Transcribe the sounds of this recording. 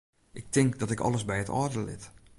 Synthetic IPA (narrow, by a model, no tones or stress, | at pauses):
ʔɪk̚tɪŋkdɔtɪkɔ̰lˠəsbɛjətʰɔ̰ːdəlɪ̰t